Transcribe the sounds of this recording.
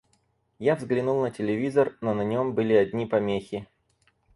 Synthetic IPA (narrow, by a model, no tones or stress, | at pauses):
javzɡlʲɪnulˠnətʲɪlʲɪvʲizərnonɐnʲo̞mbɨlʲɪɐdʲnʲipɐmʲexʲɪ